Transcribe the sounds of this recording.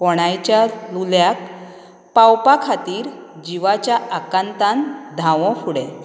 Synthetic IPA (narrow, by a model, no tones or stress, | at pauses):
pɔɽ̃ajt͡ɕjaluljak̚ | pawpakʰat̪iːɾ | d͡ʑiʋat͡ɕjaʔakant̪ãnd̪ʱaʋɔ̃fuɽɛ